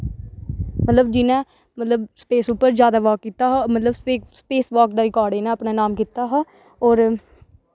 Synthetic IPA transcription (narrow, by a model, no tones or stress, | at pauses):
mət̪ləbd͡ʒɪnɛ̃ː | mət̪ləbspeːsuːpəɾd͡ʒjaːd̪aːʋaːkːiːt̪aːɦamət̪ləbseːspeːsʋaːkd̪aːɾɪkaːɖeːnɛ̃ːəpnãːnaːmkiːt̪aːɦaː | ɔːɾ